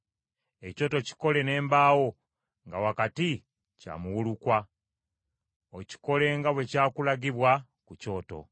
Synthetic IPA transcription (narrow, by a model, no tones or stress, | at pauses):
e̞co̞ːto̞ci̥ko̞le̞ne̞ːmbaːwo̞ | ŋɡawakati | ca̰muwulukwa | oci̥ko̞le̞ːŋɡaβwe̞caːkulaɡiβwa | kuco̞ːto̰